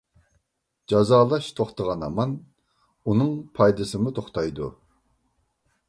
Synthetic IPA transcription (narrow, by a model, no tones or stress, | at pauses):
d͡ʒɑzɑːlˠɑʃt̪ʰoχt̪əʁɑnɑ̰mɑn | unɨŋpʰɑjd̪ɨsɨmut̪ʰoχt̪ʰɑjd̪u